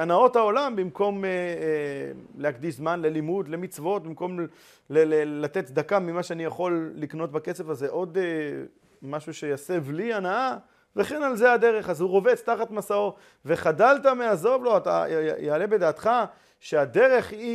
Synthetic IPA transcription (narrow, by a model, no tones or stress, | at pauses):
anao̞t̪ao̞lambimko̞me | leakd̪iʃzmanle̞limud̪le̞mit͡svo̞t̪̚bimko̞m | lelelat̪et̪t͡sd̪akamimaʃeanijaχo̞lːikno̞t̪̚bake̞se̞vazːeʔo̞d̪e | maʃuʃe̞jase̞vlianaa | veχenalze̞ad̪e̞ʁe̞χazhuʁo̞vet͡st̪aχat̪masao̞ | ve̞χadalt̪ameazo̞vlo̞at̪a̰jaːle̞be̞d̪aːt̪χa | ʃe̞ad̪e̞ʁe̞χi